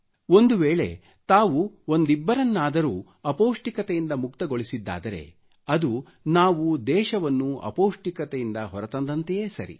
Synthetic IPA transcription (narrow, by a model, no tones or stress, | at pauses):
o̞nd̪uʋeːɭe̞̰ | t̪aːʋuo̞nd̪ibːɐɾɐnːaːd̪ɐɾṵː | ɐpoːʂʈikɐt̪ejind̪ɐmukt̪ɐɡo̞ɭisid̪ːa̰ːd̪ɐɾe̞̰ | ɐd̪u | naːʋud̪ɛːʃɐʋɐnːuɐ̰poːʂʈikɐt̪ɛjind̪ɐɦɔɾɐt̪ɐnd̪ɐnt̪ejeːsɐ̰ɾḭ